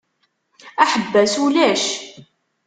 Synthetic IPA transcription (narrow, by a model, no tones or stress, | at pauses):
æħəbːæsulæʃ